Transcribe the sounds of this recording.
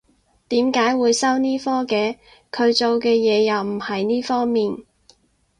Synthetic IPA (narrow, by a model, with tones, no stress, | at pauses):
t̪iː˨˥mkaː˨˥jwuː˨˧jsɐ˥wniː˥fɔː˥kɛː˨˧ | kʰɵ˨˧ɥt͡ʃo˨wkɛː˧jɛː˨˧jɐ˨wm̩˨˩hɐ˨jniː˥fɔː˥ŋmiː˨n